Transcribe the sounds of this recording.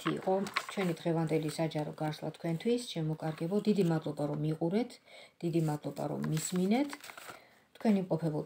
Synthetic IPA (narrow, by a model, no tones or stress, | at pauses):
t̪ʰḭːqʼɔt͡ʃʰwɛnid̪ʁɛvand̪ɛlisad͡ʒaɾɔ̰ɡaɾslˠa̰t̪ʰkʰwɛnt̪ʰwisʃɛmɔkʼaɾɡɛbɔd̪id̪imad̪lˠɔbaɾɔmiqʼuɾɛt̪ʰd̪̥id̪imad̪lˠɔba̰ɾɔ̰mːisminɛt̪ʰ | t̪ʰkʰwɛnimqʼɔpʰɛbɔ